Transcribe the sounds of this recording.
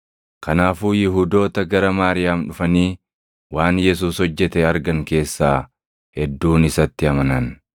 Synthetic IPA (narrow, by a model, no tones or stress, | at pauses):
kʰɐnaːfuːjɪɦuːd̪o̞ːt̪ɐɡɐɾɐmaːɾɪjaːmᶑʊfɐniː | waːnjɛs̬uːshɔd͡ʒːɛt̪ɛɐɾɡɐŋke̞ːsːaː | hɛd̪ːuːnɪsɐt̪ːɪɐmɐnɐn